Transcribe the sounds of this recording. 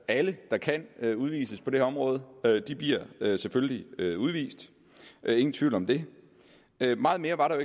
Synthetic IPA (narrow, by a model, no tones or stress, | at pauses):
æləd̥ɑ̈kʰæn̰øuð̞ˠʋḭːsəspʰɒ̽d̥e̝ɒ̽mʁɔ̽ːð̞ˠəød̥ib̥liɐ̰øseføljliøuð̞ˠʋḭːsd̥ | ʔe̝ŋn̩t͡sʰʋiʊ̰lɒ̽md̥e̝ | ømɑ̈ːð̩ˠme̝ːɐʋɑ̈ɾɑ̈joe